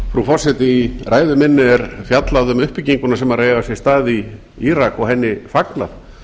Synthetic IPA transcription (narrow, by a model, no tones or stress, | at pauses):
fɾufɔsɛt̪ɪirʔaːjðʏmɪnːɪɛɾfjat̪laðʏmʏhpiciŋkʏnasɛmaɾreːjɣasjɛst̪aːði | iɾakɔɣɦɛnːɪfakna̰θ